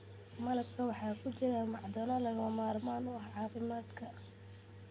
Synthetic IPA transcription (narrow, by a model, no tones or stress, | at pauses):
mɐlɐbkʰɐwɑħɑːkʰʊt͡ʃɪɾamɑʕd̪ɔnɔlɐɣɐmɐmaːrmaːnʊʕɑːfɪmaːd̪kʰɐ